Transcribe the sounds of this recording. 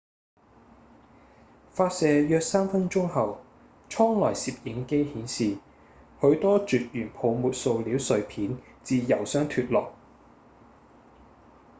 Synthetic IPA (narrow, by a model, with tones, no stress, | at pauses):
faː˧t̚sɛː˨jœː˧k̚saː˥mfɐ˥nt͡ʃʊ˥ŋhɐ˨w | t͡ʃʰɔː˥ŋlɔː˨˩jsiː˨p̚jɪ˨˥ŋke˥jhiː˨˥nsiː˨ | hɵ˨˥ɥt̪ɔː˥t͡ʃyː˨t̚jyː˨˩npʰo˨˧wmuː˨t̚so˧wliː˨˥wsɵ˧ɥpʰiː˨˥n | t͡siː˧jɐ˨˩wsœː˥ŋt̪ʰyː˧t̚lɔː˨k̚